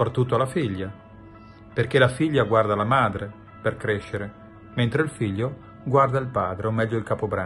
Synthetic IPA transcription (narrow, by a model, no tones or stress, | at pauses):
pɾat̪ːut̪ːoalafiʎːa | perk̟elafiʎːaɡward̪alamaːd̪ɾe | perkɾeʃːeɾe | ment̪ɾeilfiʎːo | ɡward̪ailpaːd̪ɾeomɛʎːoilkapobɾa